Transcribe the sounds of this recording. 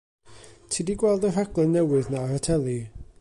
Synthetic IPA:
tʰiːdiɡwɛlˠdəraɡlˠɛnːɛwɨðnarətʰɛlˠi

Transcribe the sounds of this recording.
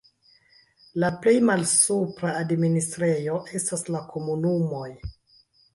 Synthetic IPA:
laple̞jmalsupɾaːdministɾe̞jo̞ʔe̞staslakʰo̞munumo̞j

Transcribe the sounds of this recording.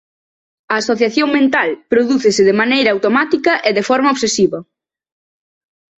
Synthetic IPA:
ɐːsoθjaθjoŋmẽnt̪alpɾoðuθɪsɪðɪmanejɾɐawt̪omat̪ikɐʔeðefɔɾmɐoβsesiβɐ

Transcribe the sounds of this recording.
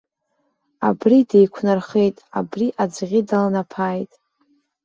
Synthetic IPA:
abride̞jkʷʰnɨrχe̞jtʼa̰briʔad͡zʷʁʲidalnapʰajtʼ

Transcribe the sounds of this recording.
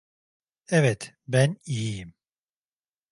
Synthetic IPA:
ɛvɛt̪ | bænijijim

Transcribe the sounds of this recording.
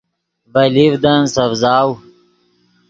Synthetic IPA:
vɐlivd̪ɐnsɐvzaːw

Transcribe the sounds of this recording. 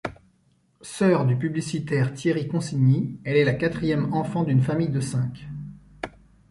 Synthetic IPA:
sœʁd̪ypyblisit̪ɛʁt̪jeʁikɔ̃siɲiɛlɛlakat̪χijɛmɑ̃fɑ̃d̪ynfamijd̪əsɛ̃k

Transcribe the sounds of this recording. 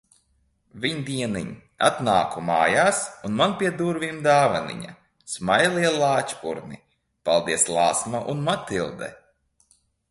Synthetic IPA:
vʲiɲd̪iɛniɲ | a̰t̪naːkuma̰ːjaːsunmanpʲiɛd̪uɾvimd̪aːvanḭɲa̰ | smajlˠiɛlˠaːt͡ʃpṵɾni | palˠd̪iɛslˠaːsmaʔunmat̪ilˠd̪ɛ̰

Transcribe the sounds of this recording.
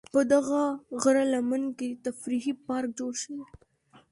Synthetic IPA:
pəd̪aɣaɣɾalamanket̪afɾiɦipɑɾk̚d͡ʒoɽʃəwe

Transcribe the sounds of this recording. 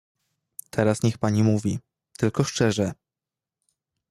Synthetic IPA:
t̪ʰɛɾasɲɛxpaɲimuvʲi | t̪ɘlkɔʂt͡ʂɛʐɛ

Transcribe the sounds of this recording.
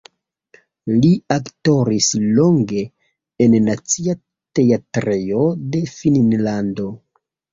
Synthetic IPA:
liakto̞ɾislo̞ŋɡe̞ | enːat͡sia | te̞atɾejo̞de̞finnlando̞

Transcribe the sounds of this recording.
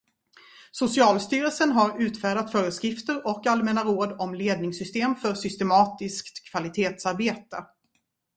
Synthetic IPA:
sʊsɪɑːlst̪yːɾəlsənɦaɾʉ̟ːt̪fæːɖat̪fœːɾəskɾɪft̪əɾɔkalmɛnaɾoːd̪ɔmleːd̪̚nɪŋsʏst̪eːmfœʂʏst̪ɛmɑːt̪ɪskt̪kʰːv̥alɪt̪ʰeːt̪saɾbeːt̪ə

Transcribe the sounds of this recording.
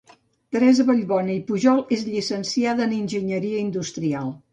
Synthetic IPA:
t̪əɾɛzəβəʎβɔnəipuʒɔlˠezʎisənsiaðəːninʲʒəɲəɾiəind̪ust̪ɾialˠ

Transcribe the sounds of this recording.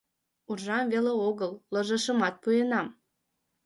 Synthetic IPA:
urʒɑmveleoɣəlːə̆ʒə̆ʃə̆mɑt̪̚pujenɑm

